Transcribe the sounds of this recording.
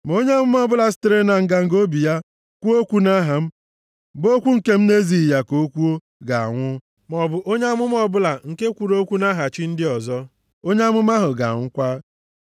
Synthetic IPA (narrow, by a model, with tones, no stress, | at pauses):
m˨o˦ɲe˦a˦mʊ˦m˦ɔ˦bʊ˦la˨s̬i̥˦tɾe˦na˨ŋ̩˨ɡa˨ŋ̩˨ɡo˦bi˨ja˦ | kʷu˦o˦kʷu˦na˦ɦa˨m̩˦ | bo˦kʷu˦ŋ̩˨ke˦m̩˦ne˦zi˨ja˨ko˦kʷu˦o˦ | ɡa˨a̰˨ŋʷʊ˦ | mɔ˨bʊ˨o˦ɲ˦a˦mʊ˦m˦ɔ˦bʊ˦la˨ŋ̩˨ke˦kʷu˨ɾo˦kʷu˦na˦ɦa˨t͡ʃi˦n̩˦dɪ˦ɔ˨zɔ˦ | o˦ɲe˦a˦mʊ˦ma˦ɦʊ˨ɡa̰˨ŋʷʊ˦kʷa˦